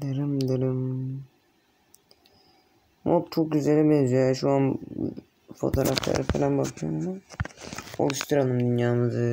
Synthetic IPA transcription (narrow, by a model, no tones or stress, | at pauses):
d̪eɾimd̪eɾim | mot̪t͡ʃʰok̚ɟyzelʲibɛnzyjaʃuan̰ | fo̞̰t̪ʰoːɾʔa̰flˠa̰ɾɯfelʲænbakʰɯjomama | o̰lˠuʃt̪ʰɯɾanˠɯmd̪ynjaːnɯd̪ɯ